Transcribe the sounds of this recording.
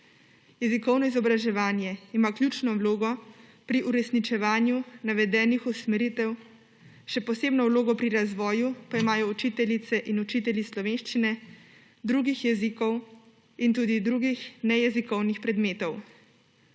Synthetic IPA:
jɛzikɔwnɔizɔbɾaʒɛʋaːnjɛimaːklʲjuːt͡ʃnɔwloːɡɔpɾiʔuɾɛsnit͡ʃɛʋaːnjunaʋɛd̪ɛːnixusmɛɾit̪ɛw | ʃɛpɔseːbnɔwloːɡɔpɾiɾazʋɔːjupaimaːjɔut͡ʃit̪ɛlit̪sɛʔinut͡ʃiːt̪ɛlʲjislɔʋeːnʃt͡ʃinɛ | d̪ɾuːɡixjɛzikɔw | int̪ud̪id̪ɾuːɡixnɛjɛzikɔwnixpɾɛd̪meːt̪ɔw

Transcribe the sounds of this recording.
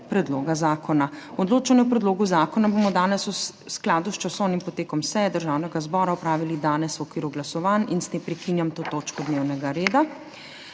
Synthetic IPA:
pɾɛd̪loɡazaːkʰɔnaɔd̪loːt͡ʃanɛupɾɛd̪loːɡuzaːkɔnabomɔd̪aːnɛsu | sklaːd̪ust͡ʃasɔwnimpɔt̪eːkɔmsɛjɛd̪əɾʒawnɛɡazbɔːɾaɔpɾaːʋilid̪aːnɛswɔkʋiːɾuɡlasɔʋaninst̪empɾɛkinjamt̪oːt̪oːt͡ʃkɔd̪neːwnɛɡaɾeːd̪a

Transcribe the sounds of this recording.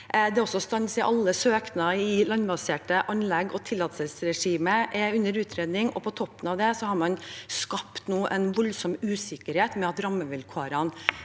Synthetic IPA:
d̪ɛɔsːɔst̪ɑnsɪʔɑ̰lːəsøːknɑɪlɑnbɑseːʈəʔɑnlɛɡɔt̪ʰɪlːɑt̪səlsɾɛʂiːməʔɛʉnːəɾʉːt̪ʰɾeːd̪nɪŋɔ̰pʰɔt̪ʰɔpːənɑʋd̪ɛsɔhɑɾmɑnskɑpt̪noːʔɛnʋɔlsɔmʉːsɪkːəɾheːt̪mɛɑt̪ɾɑmːəʋɪlkʰɑɾɑn

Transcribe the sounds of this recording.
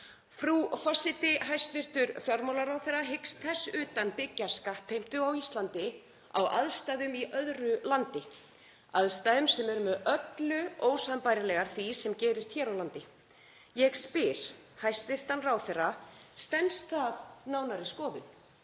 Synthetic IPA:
fɾufasɪt̪ɪɦajst̪vɪr̥t̪ʏɾfjɔɾmowlaɾaːwθɛraɦɪkst̪θɛsːʏːt̪anpɪcːḁskaht̪ʰejm̥t̪ʏawist̪lant̪ɪ | a̰wʔa̰ðst̪aːðʏmiʔœðɾʏlant̪ɪ | aðst̪aːðʏmsɛmɛɾʏmʏðœt̪lʏoːwsaðmpaːjɾɪlɛɣaɾ̥θvisɛmcɛːɾɪst̪çɛːɾawlant̪ɪ | jɛɣspɪɾ̥ | hajst̪vɪr̥t̪anraːwθɛrːast̪ɛnsθaðnaːwnaɾɪskɔːðʏn

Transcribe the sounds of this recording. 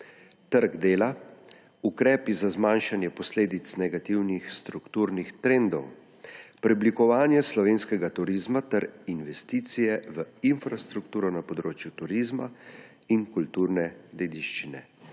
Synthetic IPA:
t̪əɾɡd̪eːla | ukɾɛːpizazmaːnʃanjɛpɔsleːd̪it̪snɛɡat̪iwnixst̪ɾukt̪uːɾnixt̪ɾend̪ɔw | pɾiblikɔʋaːnjɛslɔʋeːnskɛɡat̪uɾizmat̪ɛɾinʋɛst̪iːt̪sijɛʋəinfɾast̪ɾukt̪uːɾɔnapɔd̪ɾoːt͡ʃjut̪uɾizma | inkult̪uːɾnɛd̪eːd̪iʃt͡ʃinɛ̰

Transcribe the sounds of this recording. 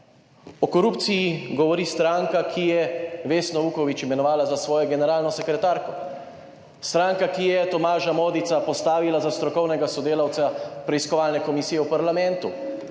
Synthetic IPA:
ɔkɔɾupt̪sijiɡɔʋɔɾiːst̪ɾaŋkakʰijɛʋeːsnɔʋuːkɔʋit͡ʃimɛnɔʋaːlazasʋɔːjɔɡɛnɛɾaːlnɔsɛkɾɛt̪aːɾkɔ | st̪ɾaːŋkakijɛt̪ɔmaːʒamoːd̪it̪sapɔst̪aːʋilazast̪ɾɔkɔwnɛɡasɔd̪eːlawt̪sapɾɛiskɔʋaːlnɛkɔmisijɛwpaɾlamɛ̃nt̪u

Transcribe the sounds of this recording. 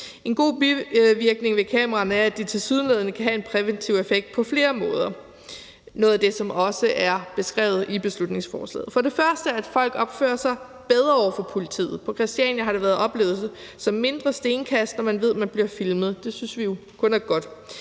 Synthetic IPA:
e̝nɡ̥o̝̰ːbiʋiɐɡ̥ne̝ŋʋe̝kʰɛ̰ːmɐʁɑ̈næɐæd̥it͡sʰe̝lsiːð̞ˠnleðˠɐnəkʰæɦæe̝npʰʁɛʋent͡sʰiʊefeɡ̥̚d̥̚pʰɒ̽fle̝ːɐmɔ̽ːð̞ˠɐ | nɔ̽ːðˠæd̥e̝sɒ̽mɒ̽səʔæɐb̥e̝sɡ̥ʁɛ̰ːʊð̩ˠib̥e̝slud̥ne̝ŋsfɒ̰ːslɛ̰ːð̩ˠfɒ̽ɾe̝fɶɐsd̥əɐæd̥fɒ̽l̰ɡ̥ɒ̽b̥fø̰ːɐsɑ̈ɪ | b̥eð̞ˠʁɐɒʊ̰ɐfɒ̽pʰo̝lit͡sʰḭːð̩ˠpʰɒ̽kʰʁɛsd̥iɛ̰njɐɦɑ̈ɾe̝ʋæːɐð̞̩ˠɒ̽b̥le̝ːʊð̩ˠs | sɒ̽mːe̝nd̥ʁɐsd̥e̝ːnkʰæsd̥nɒmænʋe̝ð̞̰ˠmænb̥liɐfilməð̞̩ˠd̥e̝synsʋijo̝ | kʰɔ̽næɐɡ̥ɒ̽d̥

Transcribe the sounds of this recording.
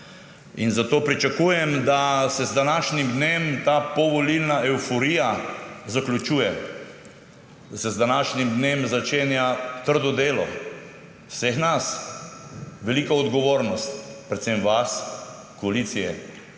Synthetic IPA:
inzat̪oːpɾit͡ʃakuːjɛmd̪asɛzd̪anaːʃnimd̪nemt̪apɔʋɔlilnaʔɛwfɔɾijazaklʲut͡ʃuːjɛ | d̪asɛzd̪anaʃnimd̪neːmzat͡ʃeːnjat̪əɾd̪ɔd̪eːlɔ̰ | wsexnas | ʋɛlikaɔd̪ɡɔʋoːɾnɔst̪pɾɛt̪semʋas | kɔalit̪sijɛ̰

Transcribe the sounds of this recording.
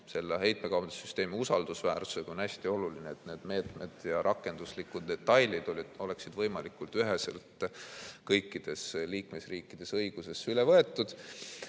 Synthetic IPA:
se̞lːeɦe̞jt̪̚mekɑwɑnd̪esːyst̪e̞ːmiusɑld̪̥usvæːɾsu̥seɡ̥o̞næsʲt̪io̞lulineet̪ne̞ːd̪̥me̞ːt̪me̞d̪̥jɑɾʔɑkːˑe̞nd̪̥uslikud̪̚d̪e̞t̪ːɑjlid̪̥o̞lʲio̞le̞ksid̪vɤjmɑlikult̪yɦesḛlt̪kɤjkːid̪̥e̞sliːkme̞sriːkˑːid̪̥e̞sɤjɡ̥use̞sylevɤe̞t̪ːˑud̪̥

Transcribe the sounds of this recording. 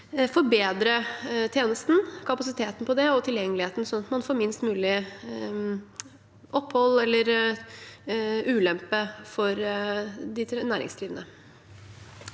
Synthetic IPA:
fɔɾbeːd̪ɾət̪ʰjeːnəst̪n̩kʰɑpɑsɪt̪ʰeːt̪n̩pʰɔd̪ɛɔt̪ʰɪljɛŋːəlɪheːt̪n̩sɔnɑt̪mɑnfoːɾmɪnst̪mʉːlɪ | ʔɔpːhɔlːɛlːəɾ | ʉːlɛmpəfɔɾ | d̪ɪnæːɾɪ̰ŋsd̪ɾiːʋnə

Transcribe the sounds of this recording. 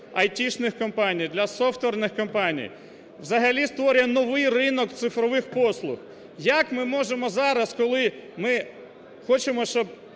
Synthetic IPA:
ɐjtʲiʃnɪxkɔmpɑnʲijd̪lʲɐsɔft̪ʋʲernɪxkɔmpɑnʲḭj | ʋzɐɦɐlʲist̪ʋɔɾʲjɐnɔʋɪjrɪnɔkt̪sɪfɾɔʋɪxpɔslˠʊx | jɐkmɪmɔʒemɔzɑɾɐskɔlˠɪmɪ | xɔt͡ʃemɔʃt͡ʃɔb̚

